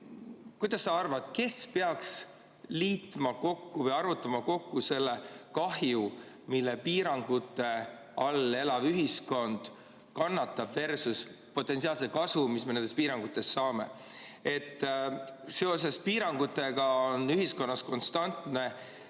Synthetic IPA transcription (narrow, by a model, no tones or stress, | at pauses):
kujd̪̥ɑsːɑɑrvɑd̪̥ke̞spe̞ɑks | liːt̪mɑko̞kːuvɤjɑrvut̪ːˑɑmɑko̞kːuse̞lːekɑhju | milːepiːɾɑŋɡ̥ut̪ːˑe̞ | ɑle̞lɑvyɦisko̞nd̪̥ | kɑnːɑt̪ːˑɑb̥ve̞rsus | po̞t̪ːˑe̞nsiɑːlsekɑsumisme̞ne̞nd̪espiːɾɑŋɡ̥ut̪ːˑe̞sːɑːme̞̰ | e̞t̪ːˑse̞o̞se̞spiːɾɑŋɡ̥ut̪ːˑe̞ɡ̥ɑonːyɦisko̞nːɑsko̞nst̪ɑnt̪ˑne̞